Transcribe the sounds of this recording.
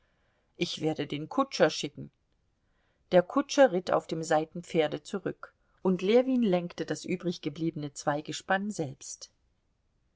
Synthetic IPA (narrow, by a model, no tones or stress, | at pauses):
ʔɪçv̥eːɐdədeːnkʰʊt͡ʃɐʃɪkŋ̩ | d̥eːɐkʰʊt͡ʃɐʁɪta̰ʊfd̥eːmzaɪtn̩p͡feːɐdət͡suʁʏk | ʔʊntleːviːnlɛŋktədasʔyːbʁɪçɡ̥əbliːbənət͡sv̥aɪɡəʃpanzɛlpst